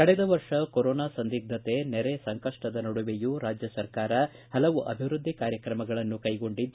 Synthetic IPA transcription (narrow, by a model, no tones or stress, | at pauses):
kɐɽɛd̪ɐʋɐɾʂɐkoɾɔːnaːsɐnd̪iɡ̚d̪ʱɐt̪e̞nɛɾesɐŋkɐʂʈɐd̪ɐnɐɽuʋejuɾaːd͡ʒjɐsɐɾkaːɾɐ | hɐlɐʋuʔɐ̰bʱiʋɾud̪ʱːikaːɾjɐkɾɐmɐɡɐɭɐnːukɐjɡo̞ɳɖid̪